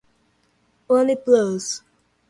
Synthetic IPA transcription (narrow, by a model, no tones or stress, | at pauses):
õnlibloz̥